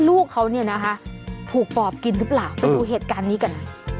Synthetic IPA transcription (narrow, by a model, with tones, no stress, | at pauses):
luː˥˩kʰːa˦˥wni˥˩ɐna˦˥kʰa˦˥ʔt̪ʰuː˨˩k̚pɔː˨˩p̚ki˧nɾɯ˦˥plaː˨˩wpa˧jjduː˧ɦeː˨˩t̪̚kaː˧nːiː˦˥ka˧n